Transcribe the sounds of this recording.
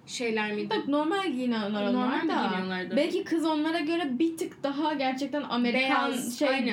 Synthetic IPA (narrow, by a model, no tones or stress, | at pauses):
ʃejlʲæɾmiano̞ɾmalʲinalˠaɾaoɾmalaalˠaɾd̪bɛlʲcikʰɯzo̞nlˠaɾaɟø̞ɾɛbit̪ʰɯkd̪̥aɦaɟæɾt͡ʃʰɛc̚t̪ʰæna̰me̞ɾicanʃejn